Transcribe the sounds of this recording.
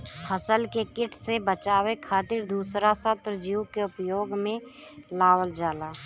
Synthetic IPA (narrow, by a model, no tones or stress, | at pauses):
həsəlkekɪʈʰsebət͡ʃaːwekʰaːt̪ɪɾd̪uːsɾasət̪ɾd͡ʒiukeʊpjoːɡmẽ | laːwəld͡ʒaːlaː